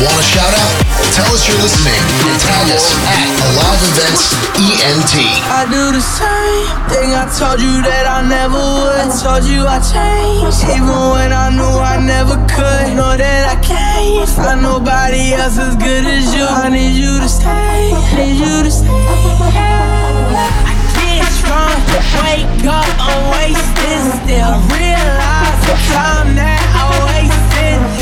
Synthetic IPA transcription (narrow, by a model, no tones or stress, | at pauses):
wɑ̃nɨʃaʊɾaʊt̚ | tʰɛlˠʌsjə˞lɪsnɪ̃ŋfəɨtʰælˠjɨs | əlɑvɨvɛ̃nts | iɛ̃ntʰi | aɪdɨðɨsẽɪ̃m | θɪ̃ŋaɪtʰoʊlˠd͡ʒɨðɨɾaɪnɛvə˞wʊdⁿn̩tʰolˠd͡ʒɨaɪt͡ʃʰẽɪ̃nd͡ʒivə̃nwə̃naɪnoʊaɪnɛvə˞kʰʊdnɔðɨɾaɪkʰẽɪ̃nzənoʊbɑɾiɛlˠs̬ɨzɡʊɾɨzjɨanijɨɾs | ɨɾs | aɪkʰɛ | tʰɹ̥ãɪ̃mtʰɨweɪk | ʌp | əweɪstɪstɛ | ɹi | la | tʰɨtʰãɪ̃mnɨ | ɔlweɪstɪn